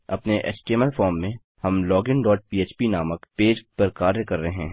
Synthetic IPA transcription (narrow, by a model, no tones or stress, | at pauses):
ɐpneʔɛ̰ːt͡ʃʈeːməlfɔːɾmːẽ | hɐmlɔːɡɪnɖɔːʈ̚piːeːt͡ʃpinaːməkpeːd͡ʒpəɾkaːɾjəkɐɾːɐɦɦɛ̃